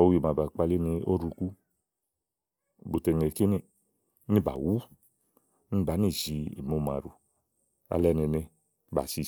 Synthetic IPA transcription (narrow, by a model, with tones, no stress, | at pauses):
o˦jo˨ma˨ba˨k͡pa˧li˦ne˧o̰˦ɾu˧ku˦˨ | bo˨te˨ŋe˨ki˦ne˦˨˦ | ni˦˨ba̰˨wu˦ | ni˦ba˨˦ni˦˨zi˨ḛ˨mo˦˨ma̰˨ɾu˨ | a̰˨˧lɛ˦ne˨ne˧ | ba̰˨si˧˨